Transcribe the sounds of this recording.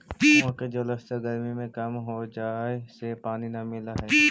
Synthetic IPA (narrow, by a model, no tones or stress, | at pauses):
pːõked͡ʒoləst̪əɾɡɐɾmimẽkɐmɦod͡ʒaːesepaːninɐmɪlaɦɛː